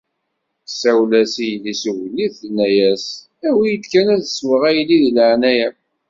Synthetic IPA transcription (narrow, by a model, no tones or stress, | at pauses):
sæwlæsijlːisəwlːiθnːæjæs | æwijəd̪kænæðswəʁæjlːiðiləʕnæjæ